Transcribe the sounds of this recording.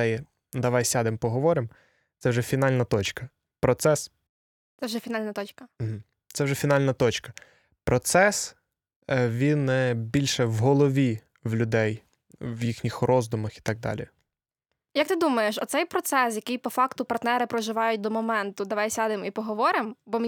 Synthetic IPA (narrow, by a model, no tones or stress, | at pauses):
ɛjɛ | d̪ɐʋɑjsʲad̪ɪmpɔɦɔʋɔɾɪm | t̪sɛwʒɛfʲin̪ɑlʲnɐt̪ɔt͡ʃkɐ | pɾɔt̪sɛs | t̪ɛwʒɛfʲinalʲnɐt̪ɔt͡ʃkɐm̩ɦm̩ | t̪sɛwʒɛfʲinɑlʲnɐt̪ɔt͡ʃkɐ̥ | pɾɔt̪sɛs | ʋʲinɛbʲilʲʃɛwɦɔlˠɔʋʲi | wlʲʊd̪ɛj | wjixnʲixrʔɔzd̪ʊmɐxi̥t̪ɑɡ̚d̪ɑ̰lʲḭ | jɐkt̪ɪd̪umɐjeʃɔt̪sɛjpɾɔt̪sɛsjɐkɪjpɔfɑkt̪ʊpɐrt̪nɛɾɪpɾɔʒɪʋɑjʊt̚ʲd̪ɔmɔmɛnt̪ʊd̪ɐʋɑjsʲad̪ɪmipɔɦɔʋɔɾɪmbɔm